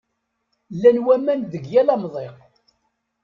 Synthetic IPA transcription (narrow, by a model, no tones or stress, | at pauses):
lːænwæmːænðəɡjælɑmðˤeq